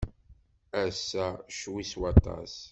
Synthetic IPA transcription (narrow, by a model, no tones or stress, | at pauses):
æsːæʃwiswɑt̪ɑ̰s